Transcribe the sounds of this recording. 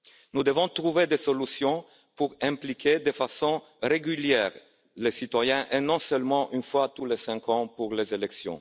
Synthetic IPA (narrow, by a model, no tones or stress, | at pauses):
nud̪əvɔ̃t̪ʁuved̪esolysjɔ̃ | puʁɛ̃plikʰed̪efasɔ̃ | ʁeɡyljɛʁ | lesit̪wajɛ̃ʔenɔ̃sœlmɑ̃ʔynfwat̪ulesɛ̃ŋkɑ̃puʁlezelɛksjɔ̰̃